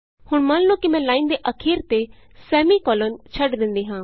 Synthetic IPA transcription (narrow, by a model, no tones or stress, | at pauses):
hʊɳ̃manlokimɛ̃ːlaːĩːnd̪eʔəkʰiːɾt̪e | sɛːmikɔːlənt͡ʃʰəɖd̪ɪ̃nd̪iːɦãː